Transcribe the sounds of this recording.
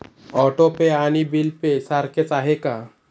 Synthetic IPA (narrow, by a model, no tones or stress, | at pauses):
ɔʈopeañibilpesaɾket͡saɦeka